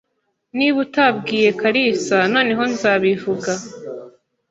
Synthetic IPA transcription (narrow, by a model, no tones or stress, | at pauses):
niβutabɡiːje̞kaɾisanoːniɦo̞nzaβivuɡa